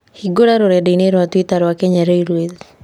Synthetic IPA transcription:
hiɡoɾaɾoɾɛdeineɾwatwitaɾwakeɲaɾoiɾweði

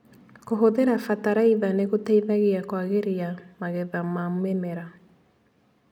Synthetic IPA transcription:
koɦoðeɾafataɾaiðaneɣotaiðaɣeakwaɣeɾiamaɣɛðamamwemɛɾa

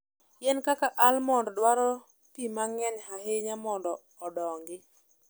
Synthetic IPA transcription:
jɛnkakaʔalmɔndɔdwaɾɔ | pimaŋɛɲhaɦeɲamɔndɔːdɔŋɡɪ

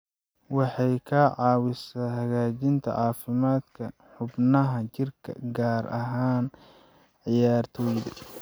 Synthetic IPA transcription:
wɑħɑjkʰɐʕɑːwɪsaːɦɐɣaːt͡ʃɪnt̪ʰɐ̰ʕɑːfɪmaːd̪kʰɐħʊbnɐɦɐt͡ʃɪrkʰɐ̰ɡaːɾɐ̰ɦaːn | ʕɪjaːrt̪ʰɔːjðɐ

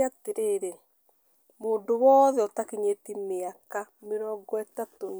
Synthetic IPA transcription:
ateɾeɾe | moːndowɔːðɛɔtakeɲetimeakameɾɔɡɔɛtato

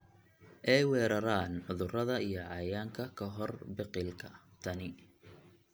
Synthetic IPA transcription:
ʔɛjwɛːɾɐɾaːnħʊðʊrɐðɐijɞʕɑjaːŋkʰɐkʰɐɦɔrbɪqɪlkʰɐt̪ʰɐnɪ

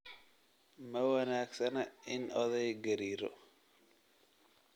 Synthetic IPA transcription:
mɐwɐnaːɡsɐnɐɪnɔðɛjɡɐɾiːɾɔ̰

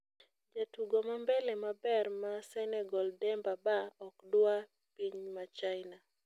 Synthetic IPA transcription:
d͡ʒatuɡɔmambɛlɛmabɛrmasɛnɛɡɔldɛmbabaɔkdwa | piɲmat͡ʃaɪna

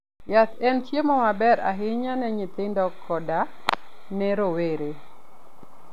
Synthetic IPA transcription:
jat̪ɛntjemɔmabɛɾa̰ɦɪɲanɛɲɪt̪ɪndɔkʰːɔda | nɛɾoweɾe

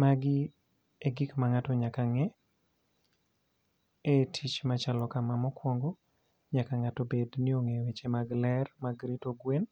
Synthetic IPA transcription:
maɡɪ | eɡɪkmaŋatɔɲakaŋɛ | etʰit͡ʃmat͡ʃalɔkamamɔkwɔŋɡo | ɲakaŋatɔbednɪoŋewet͡ʃemaɡlɛrmaɡɾitoɡwen

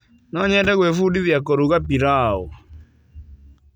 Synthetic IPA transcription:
nɔɲɛdɛɣwefudiðjakoɾuɣapiɾaɔ̰

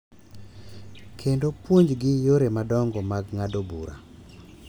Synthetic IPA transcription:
kʰendopwoɲd͡ʒɡɪjoɾemadɔŋɡɔmaɡŋadobuɾa̰

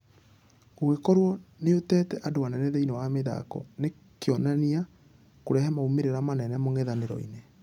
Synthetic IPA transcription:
ɡowekɔɾwɔneotɛːtɛʔadowanɛnɛðeinewameða̰kɔ̰ne | keɔnania | koɾɛɦɛmaumeɾeɾamanɛnɛmoŋɛðaneɾɔ̰ḭne

